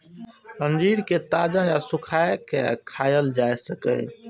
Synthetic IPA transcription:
ənd͡ʒiɾket̪ad͡ʒãjasukʰajkekʰajəld͡ʒaesəkə̰j

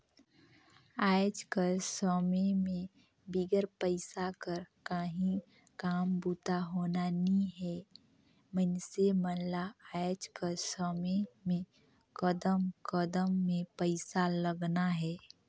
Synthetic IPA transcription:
aːjd͡ʒkəɾsɔːmemẽ | biɡəɾpəɪsakəɾkaːɦĩ | kaːmbuːt̪aɦoːnanĩɦɛː | mənsemənlaaːjd͡ʒkəɾsɔːmemẽ | kəd̪əmkəd̪əmːẽpəɪsaləɡnaɦɛː

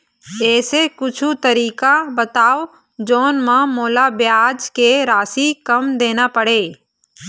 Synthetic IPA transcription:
eːsekʊt͡ʃʰut̪əɾiːkabət̪aːo | d͡ʒoːnmãmoːlabjaːd͡ʒkeɾaːsikəmd̪eːnapəɽeː

